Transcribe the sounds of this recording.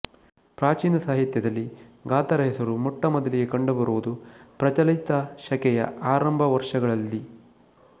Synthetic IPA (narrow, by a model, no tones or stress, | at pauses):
pɾaːt͡ʃiːnɐsaːɦit̪jɐd̪ɐlːiɡaːt̪ɐɾɐɦisɐɾumɔʈːɐmɔd̪ɐliɡekɐɳɖubɐɾuʋud̪upɾɐt͡ʃɐlit̪ɐʃɐkɛjɐ̰aːɾɐmbʱɐʋɐɾʂɐɡɐɭɐlːi